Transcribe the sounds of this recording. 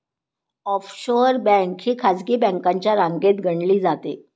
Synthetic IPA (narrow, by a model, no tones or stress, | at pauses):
ɔfɕoɾbɛ̃ŋkhiːkʰad͡zkiːbɛ̃ŋkãɲt͡ɕjaɾãŋɡet̪ɡʱəɳliːd͡zat̪ḛ